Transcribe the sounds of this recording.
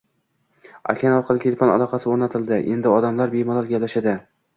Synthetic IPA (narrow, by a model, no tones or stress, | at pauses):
a̰kʲʰanɒɾqʰɑlˠɪkʲʰelʲfɒna̰lˠɒqʰɑsɪoɾnat̪ʰɪld̪ɪʔe̞nd̪ɪɒd̪amlaɾbe̞jmɒlˠɒɾɡʲaplaʃad̪ɪ